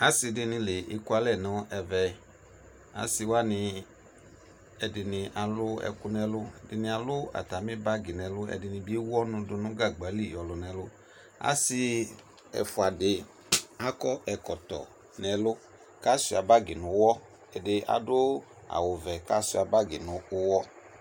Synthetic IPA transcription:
a˨˦sɪ˧dɪ˦nɪ̃˧lɪ˨ʔɪ˨ku˦a˨lɛ˦˨nɔ̃˨˦ʔɛ˧vɛ˨ | a̰˨˦si˧wa˦nɪ˧ | ɛ˨dɪ˨nɪ̃˧ʔa˨lʊ˦ɛ̰˨kʊ˦nɛ˧lʊ˦˨dɪ˨nɪ̃˧a˨lʊ˦a̰˨ta˨mĩ˦ba˦ɡi˨nɛ˨lʊ˦ɛ̰˨dɪ˨nɪ̃˨bi˦wɔ˦nʊ̃˧dʊ˧nʊ̃˦ɡa˦˨ɡ͡ba˨˦li˦˨jɔ˨lɔ˨nɛ˨lʊ˦ | a̰˦sɪ˧ | ɛ̰˨fʊ˨a˨dɪ˨ | a˦kɔ˦ʔɛ˨kɔ˨tɔ̰˨ | nɛ˨lʊ˦ | ka˦si˨a˨ba˦ɡɪ˨nʊ̃˨˦wɔ˦ | ɛ˨dɪ˨˧ʔa̰˨dʊ˦ | a̰˨wʊ˨vɛ˨ka˦si˦a˨ba˦ɡɪ˨nʊ̃˨ʊ˦wɔ˦

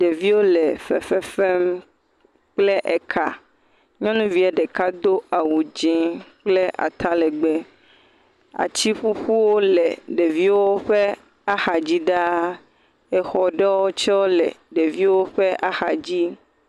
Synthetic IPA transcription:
ɖe˨vi˦wo˦le˨fḛ˨fɛ˨fɛ˦m | k͡ple˦ʔɛ˨kʰa˨ | ɲɔ̃˦nũ˦vi˨˦a˨ɖe˨ka˦d̪o˦ʔa˨wu˨d͡ʒɛ̃˨k͡ple˦ʔa̰˨t̪a˦lɛ˨ɡ͡be˦ | a̰˨t͡ɕi˦ɸu˦ɸu˦wo˦lɛ˨ɖe˨vi˦wo˦ɸe˦ | a˦xa˨d͡ʑi˦ɖa˦ | ɛ˨xɔ˨ɖe˦wo˦t͡ʃɛ˦wo˦lɛ̰˨ɖe˨vi˦wo˦ɸe˦ʔa˦xa˨d͡ʑi˦

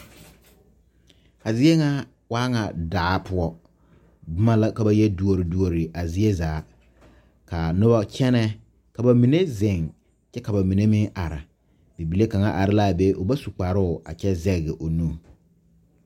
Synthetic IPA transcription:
a˨zɪ˦e˦ŋa˦ | waː˦ŋa˨daː˨˦pʊ˦ɔ˦ | bʊ˦ma˦la˦ka˨ba˦jɛ˦du˦o˨ɾɪ˨du˦o˨ɾɪ˨ʔa˨zɪ˦e˦zaː˨˦ | ka˨nʊ˦ba˦t͡ʃɛ˦nɛ˦ | ka˨ba˨mi˨ne˦zɪ˨ŋ | t͡ʃɛ˦ka˨ba˨mi˨ne˦mɪ˦ŋa˨ɾɪ˨ | bi˨bi˨le˦ka˨ŋa˦ʔa˨ɾɪ˦la˦˨be˦ʔʊ˨ba˦su˨k͡pa˨ɾʊ˦ʊ˨a̰˨t͡ʃɛ˦zɛ˦ɣɣɪ˨ʔo˨nu˦˨

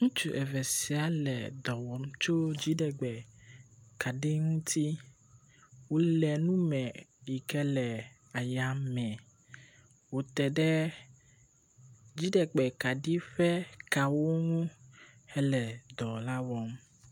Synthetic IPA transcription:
ŋũ˦t͡ʃu˨ʔɛ˨vɛ˨si˨a˦lɛ̰˨d̪ɔ˨wɔ˨mt͡ʃo˦d͡ʑi˦ɖɛ˨ɡ͡bɛ˨ | ka˨ɖe˦ŋũ˦t̪ʰi˦ | wo˨lɛ˨nũ˦mɛ̃˨i˨kɛ˦lɛ˨ | a˨ja˦mɛ̃˨ | wo˨t̪ɛ˨ɖɛ˦ | d͡ʑi˦ɖɛ˨ɡ͡bɛ˨ka˨ɖi˦ɸɛ˦ka˨wo˦ŋũ˦ | hɛ˦lɛ˨d̪ɔ˨la˦wɔ˨m

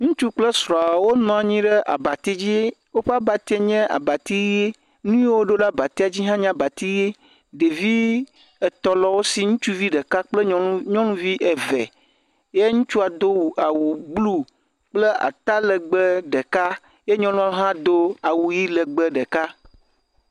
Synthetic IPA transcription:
ŋũ˦t͡ʃu˦k͡ple˦sɾɔ̃˨a˨wo˦nɔ̃˨a˨ɲĩ˦ɖe˦ʔa̰˨ba˨t̪e˦d͡ʑi˦wo˦ɸe˦a˦ba˨t̪e˦ɲɛ̃˦ʔa̰˨ba˨t̪i˦e˦ | nũ˦je˦wo˦ɖo˦la˦ba˨t̪i˦a˨d͡ʑi˦ɦã˦ɲã˦ba˨t̪i˦je˦ | ɖe˨vi˦ | ɛ˨t̪ɔ˨lɔ˦wo˦si˨ŋũ˦t͡ʃu˦vi˦ɖə˨ka˦k͡ple˦ɲɔ̃˦nũ˦vi˦ʔe˨vɛ̰˨ | je˦ŋũ˦t͡ʃu˦a˨d̪o˦wu˨a˨wu˨ɡ͡blu˦ | k͡ple˦ʔa̰˨t̪a˦lə˨ɡ͡bə˦ɖe˨ka˦ | je˦ɲɔ̃˦lũ˦a˦ɦã˦d̪o˦a˨wu˨ji˦lə˨ɡ͡bə˦ɖə˨ka˦

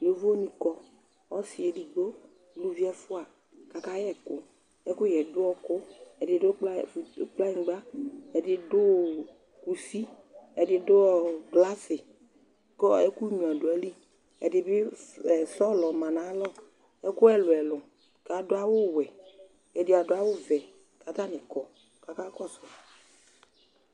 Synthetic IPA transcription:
jo˦vo˦nĩ˨kɔ˦ | ɔ˦si˨e˨di˨ɡ͡bo˦ | lu˦vi˦ɛ˦fʊ˦a˨ | ka˨ka˦jɛ˦kʊ˦ | ɛ˦kʊ˦jɛ˨dʊ˦ɔ˦kʊ˦ɛ˨dɪ˨dʊ˦k͡pk͡pla˦ĩ˨˦ɡ͡ba˦ɛ˨dɪ˨dʊ˦ | ku˨si˦ | ɛ˨dɪ˨dʊ˦ɔ˨ɡla˦sɪ˨ | kɔ˦ɛ˦ku˦ɲũ˨a˨dʊ˨ɛ˨li˦ | ɛ̰˨dɪ˨bɪ˦ɛ˨sɔ˦lɔ˨mã˨nã˨˦lɔ˦ | ɛ˦kʊ˦ɛ˨lʊ˨ɛ˨lʊ˨ | ka˨dʊ˦a˦wʊ˦wɛ˨ | ɛ˨dɪ˨a˨dʊ˦a˦wʊ˦vɛ˨ | ka˨t̪a˦nɪ̃˨kɔ˨ | ka˨ka˦kɔ˦sɔ˨

